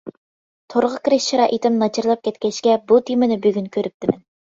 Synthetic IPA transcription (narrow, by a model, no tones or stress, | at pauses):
t̪ʰoɾʁəkʲiɾɪʃʃiɾɑːʔit̪ʰɪmnɑt͡ʃʰɨɾlˠɑp̚kʲʰɛt̪kʲɛʃkʲɛbut̪ʰimɪnɪbyɡʲynkʲʰøɾyp̚t̪ʰɪmɛn